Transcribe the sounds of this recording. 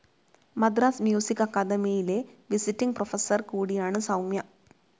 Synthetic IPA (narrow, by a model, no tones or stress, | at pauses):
mɐd̪ɾaːsmjuːsikːɐkːɐd̪ɐmijile̞ʋisitːiŋɡ̚profɐsɐrkuːɽijaːɳɨsɐwmjɐ